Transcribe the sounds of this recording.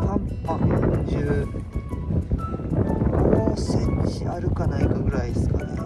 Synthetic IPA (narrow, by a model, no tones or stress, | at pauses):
hãmpakɯd͡ʑɨː | ɡosẽɲt͡ɕiaɾɯ̟kanaikaɡɯ̟ɾaisɨ̥kaɾa